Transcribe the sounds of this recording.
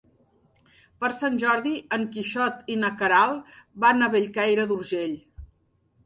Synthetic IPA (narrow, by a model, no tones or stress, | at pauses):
pəɾsanʲʒɔɾðiəŋkiʃɔt̪inəkəɾalˠbanaβeʎkajɾəd̪uɾʒeʎ